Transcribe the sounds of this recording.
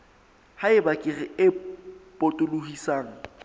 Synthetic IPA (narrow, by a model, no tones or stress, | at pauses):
haɪbakʼɪrɪɪpʼotʼʊlʊhisaːŋ̩